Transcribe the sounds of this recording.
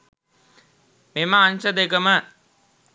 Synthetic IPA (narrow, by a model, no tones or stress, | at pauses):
meməːnʃəd̪ekəmə